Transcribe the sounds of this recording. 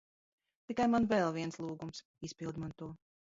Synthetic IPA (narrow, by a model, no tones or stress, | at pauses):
t̪ikajmanvɛlˠviɛnslˠuːɡums | ispʲilˠd̪mant̪uɔ